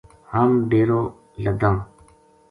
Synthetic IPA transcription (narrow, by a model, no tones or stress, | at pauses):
haːmɖeːɾoː | ləd̪ãː